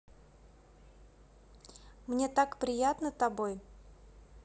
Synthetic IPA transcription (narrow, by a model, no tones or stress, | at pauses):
mnʲe̞t̪akpɾʲɪjat̪nət̪ɐboj